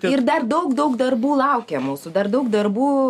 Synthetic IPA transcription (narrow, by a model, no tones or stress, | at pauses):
ɪrd̪ɐrd̪ɐʊkd̪ɐʊkd̪ɐrbuːlˠɐʊkʲɛmuːsʊd̪ɐrd̪ɐʊkd̪ɐrbuː